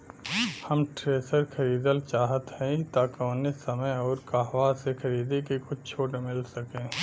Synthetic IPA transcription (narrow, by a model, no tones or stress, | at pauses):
hɐmʈɾeːsəɾkʰɐɾiːd̪əlt͡ʃaːɦət̪hɛ̃it̪aːkõnesɐməjɔːɾkaːɦʋaːsekʰɐɾiːd̪ekekʊt͡ʃʰt͡ʃʰoːʈemɪlsɐkẽː